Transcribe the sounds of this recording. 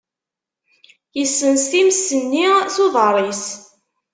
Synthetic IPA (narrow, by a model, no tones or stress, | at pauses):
jəsːənst̪imsːənːiθoðˤərˤis